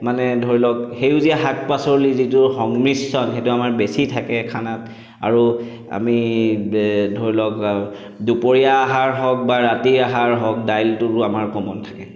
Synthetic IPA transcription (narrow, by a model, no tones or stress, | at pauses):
manɛdʱoɹilɔkxejʊziaɦak̚pasɔɹlizitʊxɔŋmɹisɔnxetʊamaɹbesitʰakɛkʰanat | a̰ɹu | a̰mi | dʱoɹilɔk | dupoɹijaːɦaɹɦɔk̚baɹatiɹaɦaɹɦɔk̚dajltʊɹʊamaɹkɔmɔntʰḁkɛ